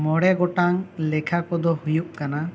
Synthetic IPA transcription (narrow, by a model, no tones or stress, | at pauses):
mɔɽɛɡɔʈaŋlɛkʰakɔd̪ɔhujuʔ̚kana